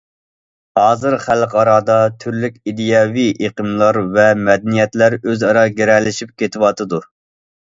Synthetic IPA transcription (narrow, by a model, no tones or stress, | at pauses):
hɑːzɨɾχælqɑɾɑːd̪ɑt̪ʰyɾlykʲid̪ɪjɑːviʔeqəmlˠɑɾvɛmɛd̪ɛnijɛt̪læɾøzɑɾɑɡʲeɾɛlːɪʃip̚kʲʰet̪ʰɪwɑt̪ʰɨd̪u